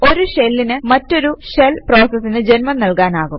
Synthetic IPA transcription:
o̞ɾuɕelːinɨmɐtːo̞ɾuʂelpro̞ːsɐsːinɨd͡ʑe̞nmɐnnɐlkaːnaːɣum

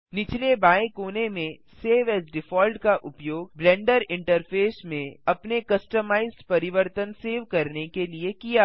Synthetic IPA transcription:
nɪt͡ʃlebaːẽkoːnemẽ | seːʋɛːsɖɪfʰɔːlʈkaʔʊpjoːɡ̚blɛ̃ːɳɖəɾɪ̃ɳʈəɾfʰeːsmẽɐpnekɐsʈəmaːɪzɖpɐɾɪʋəɾt̪ənseːʋkɐɾnekeliekijaː

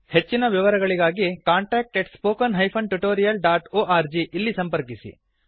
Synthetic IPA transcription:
het͡ʃːinɐʋiʋɐɾɐɡɐɭiɡaːɡikaːɳʈeːk̚ʈeʈspoːkɐnɦɐjpʰɐnʈuʈoːɾijɐlɖaːʈoːʔaːɾd͡ʒiʔilːisɐmpɐɾkisḭ

